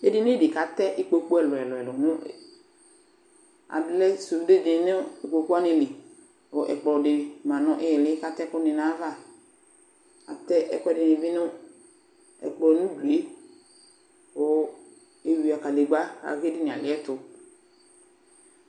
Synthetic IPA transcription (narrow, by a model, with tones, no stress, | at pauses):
e˦dɪ˦ne˦dɪ˨ka˨tɛ˦ʔɪ˦k͡po˦k͡pu˦ɛ˨lɔ˨ɛ˨lɔ˨ɛ˨lɔ˨nʊ˦˨ | a̰˨dʊ˦lɛ˦su˨˦de˦˨dɪ˨˦nʊ˦e˨k͡po˨ku˦a˦nɪ˨lɪ˨ | o˨ʔɛ̰˨k͡pɔ˨dɪ˨mã˨nʊ̃˦ʔɪ˦jɛ˨lɪ˨˦ka˨tɛ˦kʊ˦nɪ˨nã˨˦va˦˨ | a̰˨tɛ˦ʔɛ̰˨kʷɛ˦dɪ˨nɪ˨vɪ˦nʊ˦ | ɛ̰˨k͡plɔ˨˦nʊ̃˦du˨e˦ | o˨ | e˨wi˨a˨ka˨li˨ɡ͡ba˦a̰˨ɣe˦dɪ˦nɪ̃˨a˨lɪ˨˦ɛ˦tʊ˨